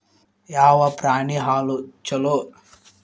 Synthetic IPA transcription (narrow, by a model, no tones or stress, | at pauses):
jaːʋɐpɾaːniɦaːlut͡ʃɐlo